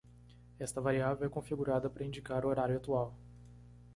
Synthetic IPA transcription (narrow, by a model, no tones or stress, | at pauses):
ɛst̪ɐvaɾiavewɛkõfiɡuɾad̪ɐpɾɐĩnd͡ʒikaɾʊoɾaɾjʊat̪uaw